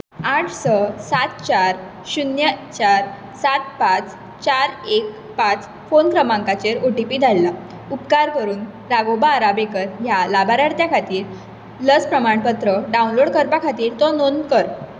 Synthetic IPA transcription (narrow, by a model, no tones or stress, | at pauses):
aʈʰsəsat̪̚t͡ɕaɾ | ɕunjət͡ɕaɾ | sat̪̚pat͡s | t͡ɕaɾek | pat͡s | fonkɾəmãŋkat͡ɕeɾoʈipiːd̪ʱalːa | upkaɾkəɾuːn | ɾaɡobaɾabekəɾɦjalabʱaɾaɾt̪jakʰat̪iːɾ | ləspɾəmaɳpət̪ɾəɖaũnloɽkəɾpakʰat̪iːɾt̪ɔnonkəɾ